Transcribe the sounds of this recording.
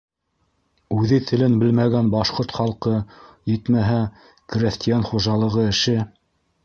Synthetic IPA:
ʉðɘt̪ʰɘ̆lɘnbɘlmæɡænbɑʃqoɾt̪χɑlˠqɤjɘ̆t̪mæɦæ | krʲest̪ijanχuʒɑlˠɤ̆ʁɤɘ̆ʃɘ

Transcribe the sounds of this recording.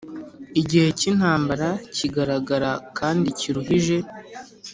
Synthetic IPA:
iɟihe̞cin̥haːmbaɾaciɡaɾaɡaɾakaːndiciɾuɦiʒe̞

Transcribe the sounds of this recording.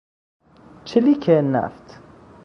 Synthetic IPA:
t͡ʃʰilikʰenæ̰ft̪ʰ

